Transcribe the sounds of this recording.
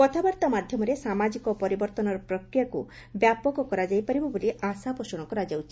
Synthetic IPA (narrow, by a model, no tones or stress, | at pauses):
kɔt̪ʰabaɾt̪amad̪ʱjɔmɔɾesamad͡ʒikɔpɔɾibɔɾt̪ɔnɔɾɔpɾɔkɾijaku | bjapɔkɔkɔɾad͡ʒajpaɾibɔboliasapɔsɔɽ̃ɔkɔɾad͡ʒawt͡ʃʰi̥